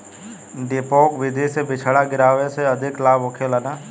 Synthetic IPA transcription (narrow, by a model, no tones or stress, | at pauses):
ɖɪpoːkʋɪd̪ʱisebɪt͡ʃʰɽaɡɪɾaːʋeseɐd̪ʱɪklaːbokʰelənaː